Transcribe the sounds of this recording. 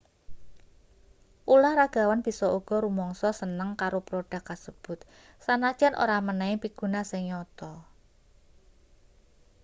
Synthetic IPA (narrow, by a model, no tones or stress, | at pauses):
ʔulahɾaɡ̥a̤wanb̥i̤sɔʔuɡ̥ɔ̤ɾumɔŋsɔsənəŋkaɾopɾoɖ̥a̤kːasəb̥ʊ̤t̪̚ | sanḁd͡ʒ̥a̤nʔo̰ɾamənaɪŋpiɡ̥ṳnasɪŋɲɔt̪ɔ